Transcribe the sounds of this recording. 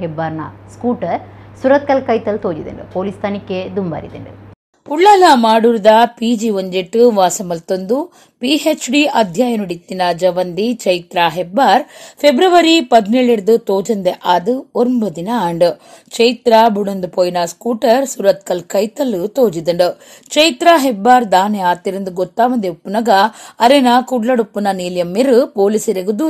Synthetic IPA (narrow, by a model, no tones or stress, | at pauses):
ebːaːɾna̰ːskuːʈɐɾsuɾɐt̪̚kɐlkɐjt̪ɐlt̪oːd͡ʒid̪ɐ̰ɳɖupoːlist̪ʰaːnikːed̪umba̰ːɾḭd̪ḛɳɖṵ | uɭːɐlɐmaːɽuɾid̪ɐpiːd͡ʒiʋoɲd͡ʒeʈːuʋaːsɐmɐlt̪ond̪u | piɦet͡ʃɖiʔɐd̪ʱjaːjɐnuɽit̪ːinaːd͡ʒɐʋɐnd̪it͡ʃɐjt̪ɾaːɦebːaːɾpʰebɾɐʋɐɾipɐd̪neːɭeɽɐd̪ɨt̪oːd͡ʒɐnd̪eʔaːd̪uoɾmuɾɐd̪inɐaːɳɖut͡ʃɐjt̪ɾaːbuɽɐnd̪pojnaːskuːʈɐɾsuɾɐt̪̚kɐlkɐjt̪ɐlːut̪oːd͡ʒid̪ɐɳɖu | t͡ʃɐjt̪ɾaːɦebːaːɾd̪aːneaːt̪iɾind̪uɡot̪ːaːʋɐnd̪eupːunɐɡɐːɾenakuɖlɐɽupːunɐniːljɐmːiɾupoːlisiɾeɡud̪u